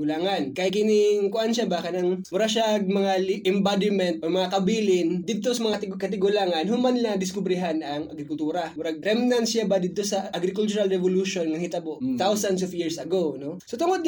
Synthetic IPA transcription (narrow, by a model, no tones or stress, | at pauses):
ɡʊlaːŋɐnkɐɪkɪnɪŋkʊʔanʃabɐkɐnɐŋmʊɾaʃaʔɡ̚mɐŋalʔɪmbad̪ɪmɛnt̪̚ʔomɐŋakɐbiːlɪnd̪ɪd̪̚t̪o̞sɐmɐŋakɐt̪̬ɪɡʊlaːŋɐnɦʊmanɪlaŋd̪ɪskʊbɾɪɦanɐŋɐ̰ɡɾɪkʊlt̪uːɾɐmʊɾaɡ̚ɾɛmnansjabɐd̪ɪd̪̚t̪o̞sɐʔɐɡɾɪkʊlt͡ʃʊɾalɾɛvoluʃonŋɐŋhit̪ɐboʔt̪awsɐns̬ofjiɹsɐɡowno̞sot̪ʊŋod̪̚